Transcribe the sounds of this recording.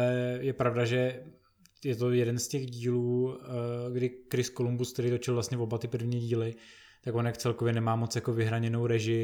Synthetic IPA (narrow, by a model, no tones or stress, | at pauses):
ɛjɛpɾavdaʒɛ | jɛt̪o̞jɛdɛnscɛɣɟiːluː | ɡdɪkɾɪskolumbuskt̪ɛɾijt̪o̞t͡ʃɪlvlast̪ɲɛvobat̪ɪpr̩vɲiːɟiːlɪt̪akvonjakt͡sɛlkovjɛnɛmaːmot͡sjako̞vɪɦɾaɲɛno̞wɾɛʒɪ